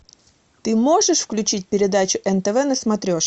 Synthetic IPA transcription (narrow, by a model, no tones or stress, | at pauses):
t̪ɨmo̞ʐɨʂfklʲʉt͡ɕit̚ʲpʲɪɾʲɪd̪at͡ɕʊʔɛnt̪əvɛnəsmɐt̪ɾʲoʂ